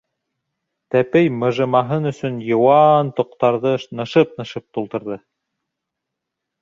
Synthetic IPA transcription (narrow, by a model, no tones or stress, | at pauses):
t̪æpɘjmɤ̆ʒɤ̆mɑɦɤnɵ̆sɵnjɤ̆wɑnt̪ŏqt̪ɑɾðɤʃnɤ̆ʃɤp̚nɤ̆ʃɤp̚t̪ulˠt̪ɤ̆ɾðɤ